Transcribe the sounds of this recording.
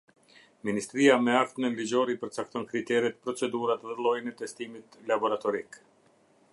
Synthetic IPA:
minist̪ɾiamɛakt̪mɛlid͡ʑɔɾipəɾt͡sak̚t̪ɔnkɾit̪ɛɾɛt̪pɾɔt͡sɛd̪uɾat̪ðɛlˠɔjnɛt̪ɛst̪imit̪labɔɾat̪ɔɾik

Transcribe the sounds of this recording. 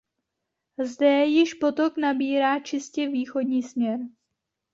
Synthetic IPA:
zdɛjɪʃpo̞t̪o̞knabiːɾaːt͡ʃɪscɛviːxo̞dɲiːsmɲɛɾ

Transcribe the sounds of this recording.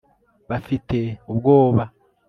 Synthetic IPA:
βafite̞ubɡo̞ːβa

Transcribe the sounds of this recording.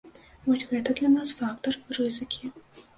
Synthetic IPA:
vɔsʲɣɛt̪ɐd̪lʲɐnasfak̚t̪ɐrrɨzɨkʲʰi

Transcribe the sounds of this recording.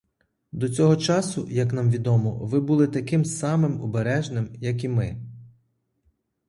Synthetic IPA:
d̪ɔt͡sʲɔɦɔt͡ʃɑsʊjɐknɑmʋʲid̪ɔmɔʋɪbulˠɪt̪ɐkɪmsɑmɪmɔ̰beɾɛʒnɪmjɐkimɪ

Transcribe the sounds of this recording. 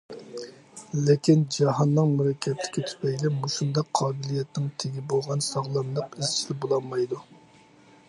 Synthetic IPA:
lɪkʲind͡ʒɑɦɑnːɨŋmuɾɛkʲʰːɛt̪lɪ̥kʲit̪ʰy̥pɛɡʲd̪ɛmuʃund̪ɑqʰːɑːbɪlijɛt̪nɪŋt̪ʰeɡʲibolˠʁɑnsɑʁlˠɑnlˠəqizt͡ʃʰlɪbolˠɑlmɑjd̪u

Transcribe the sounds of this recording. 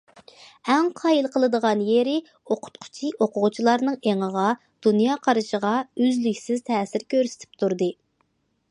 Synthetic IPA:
ɛŋqʰɑjilˠqʰəlˠɨd̪əʁɑnjeɾɪ | oqʰʊ̥t̪̚qʰʊ̥t͡ʃʰiʔoqʊʁʊt͡ʃʰilˠɑɾnɨŋeŋəʁɑ | d̪̥unjɑːqʰɑɾɨʃəʁɑøzlykʲsɪzt̪ʰɛːsɪɾkʲʰøɾsɪ̥t̪ʰɪ̥p̚t̪ʰuɾd̪ɨ

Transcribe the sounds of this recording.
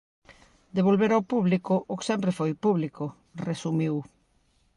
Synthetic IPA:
d̪eβolβeɾawpuβlikʊʔːksɛmpɾefojpuβlikʊ | resumiw

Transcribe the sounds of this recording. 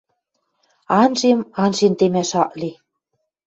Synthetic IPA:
ɑnʒemɑnʒent̪emæʃɑʔli

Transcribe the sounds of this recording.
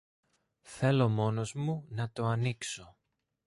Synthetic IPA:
θe̞lo̞mo̞no̞zmunɐt̪o̞ɐnikso̞

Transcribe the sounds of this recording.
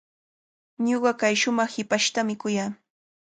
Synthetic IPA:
ɲoɢɑkajʃʊmɑχhɪpaʃt̪amɪkʊjaː

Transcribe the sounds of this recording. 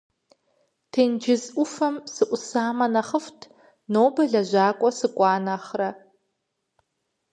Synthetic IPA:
tʰeːnd͡ʒɪzʷʊfɐmsɨʔʷʊsaːmɐnɐχəftʰ | noːbɐɮɐʒʷaːkʷʼɔsɨkʷʼɑːnaχrɐ

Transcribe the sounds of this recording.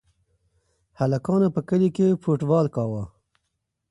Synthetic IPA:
halakɑːnapəkəlikefoʈbɑːlkɑːwa

